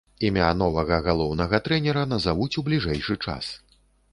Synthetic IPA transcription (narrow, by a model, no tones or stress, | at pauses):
imʲanɔvɐɣɐɣalˠɔwnɐɣɐt̪ɾɛnʲɛɾɐnɐzavut͡sʲublʲiʐɛjʂɨt͡ʂa̰s